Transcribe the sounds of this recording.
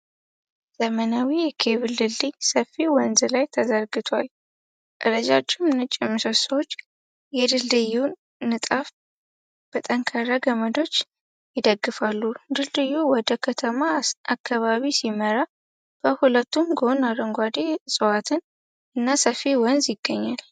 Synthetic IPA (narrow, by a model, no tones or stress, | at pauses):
zəmənawijɛkʰe̞βɨld̪ɨld̪ɨjsəfːiwɔnzlajt̪ʰəzəɾɡɨt̪ʰwal | ʔʼɨɾəd͡ʒa̰t͡ʃʼːɪmnɨt͡ʃʼːɪmɨsəsəwot͡ʃː | jɛd̪ɨld̪ɨju | nɨt̪ʼaf | b̥ət̪ʼəŋkʰaɾaɡəməd̪o̞t͡ʃː | jɪd̪əɡːɨfalːud̪ɨld̪ɨjːuwɔd̪əkʰət̪ʰəmaakʰːaβaβisiməɾa | b̥əhulət̪ːumɡonaɾəŋɡʷad̪esʼɨwat̪ʰɨn | ʔɨnːasəfːiwɔnzjɪɡ̥ːəɲːal